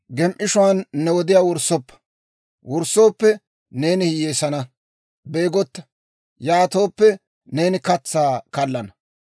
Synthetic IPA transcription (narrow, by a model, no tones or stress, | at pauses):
ɡɛmʔɪʃʊwanːɛwɔd̪ɪjaːwɔɾsːɔpːɐ̥ | wɔɾso̞ːpːɛ | ne̞ːnɪhɪjeːsɐnɐ | be̞ːɡɔt̪ːɐ̥ | jaːt̪o̞ːpːɛ | ne̞ːnɪkɐt͡sːaːkɐlːɐnɐ